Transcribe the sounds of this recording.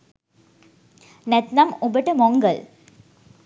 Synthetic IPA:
nɛt̪nɐmubəʈəmoŋɡəl

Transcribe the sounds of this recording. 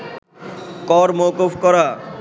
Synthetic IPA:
kɔɾmokufkɔɾa

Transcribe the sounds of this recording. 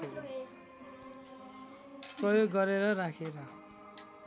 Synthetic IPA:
eɾʌ | prʌjoɡːʌɾeɾʌrakʰeɾʌ

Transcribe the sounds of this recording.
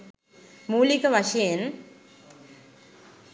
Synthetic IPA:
muːlikɐʋɐʂɐjen

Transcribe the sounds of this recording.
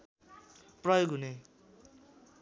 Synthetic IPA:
prʌjoɡɦune

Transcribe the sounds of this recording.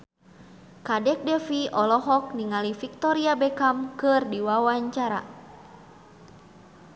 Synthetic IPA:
kadɛk̚dɛfiɔlɔɦɔk̚niŋalifik̚t̪ɔɾiabɛkamkɨrdiwawaɲt͡ʃaɾa̰

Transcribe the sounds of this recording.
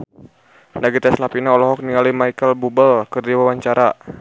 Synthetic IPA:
naɡit̪ɛslapinaɔlɔɦɔk̚niŋalimaikəlbubəlkɨrdiwawaɲt͡ʃaɾa

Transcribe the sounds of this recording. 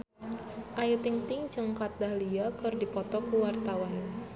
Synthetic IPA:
ʔajut̪ɪŋt̪ɪŋd͡ʒɨŋkat̪̚dahliakɨrdipɔt̪ɔkuwart̪awan

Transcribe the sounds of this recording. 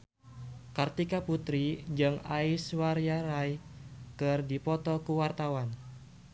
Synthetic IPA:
kart̪ikaput̪ɾid͡ʒɨŋaiswaɾjaɾajkɨrdipɔt̪ɔkuwart̪awan

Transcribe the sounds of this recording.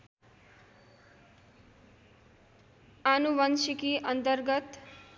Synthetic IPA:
anuʋʌnsikiʔʌnt̪ʌrɡʌt̪

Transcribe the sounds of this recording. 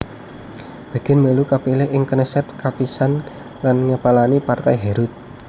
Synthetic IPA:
b̥ä̤ɡ̥ɛ̤nməlukapilɪɦʔɪŋkənəsɛt̪̚kapisan | lanŋəpalanipart̪ajɦɛɾʊt̪̚

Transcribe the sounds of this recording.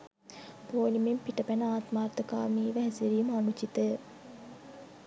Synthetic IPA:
poːlimempiʈəpænəaːt̪maːrt̪əka̰ːmiːʋæɦɛseɾiːməanut͡ʃit̪ə

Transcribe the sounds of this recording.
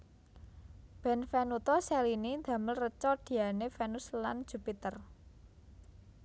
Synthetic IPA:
b̥ɛ̤nfɛnut̪ɔsɛlinind̪̥ä̤məlrət͡ʃɔd̪̥i̤anefɛnuslan̥ʒ̥ṳpit̪ər

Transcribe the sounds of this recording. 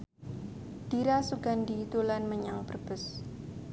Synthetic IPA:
d̥iɾasuɡandit̪ulanməɲaŋpərb̥ə̤s

